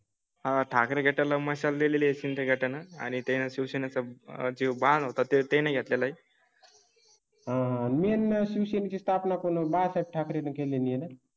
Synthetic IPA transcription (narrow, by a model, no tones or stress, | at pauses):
ɦãʈʰakɾeɡʱeʈalaməɕald̪eleliesind̪ʰʱəɡʱeʈanaa̰ñit̪enasiwsenat͡sad͡ʑibãnd̪ɦot̪at̪et̪ejnaɡʱet̪lelai | ɦãnmenːəsiwsenit͡ɕist̪ʰapnakonobasap̚ʈʰakɾenəkelenijena